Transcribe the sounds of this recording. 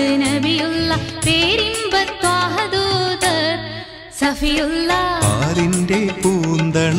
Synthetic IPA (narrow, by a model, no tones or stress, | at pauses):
nɐbijulːɐpeːɾimbɐt̪ːʋaːɦɐd̪uːd̪ɐɾ | sɐfijulːɐa̰ːɾinɖepuːnd̪ɐɳ